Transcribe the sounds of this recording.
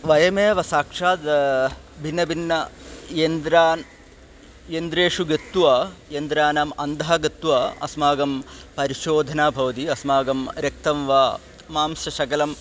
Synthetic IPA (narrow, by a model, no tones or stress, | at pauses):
ʋɐjɐmeːʋɐsaːkʂaːd̪ | bʱinːɐbʱinːɐjend̪ɾaː | jend̪ɾeːʂuɡɐt̪ːuʋaːjend̪ɾaːnaːmɐnd̪ʱɐɦɐɡɐt̪ːuʋaːɐ̰smaːɡɐmpɐɾiʃoːd̪ʱɐnaːbʱɐʋɐt̪iɐsmaːɡɐmɾjɐk̚t̪ɐmʋaː | maːmsɐʃɐkɐlɐm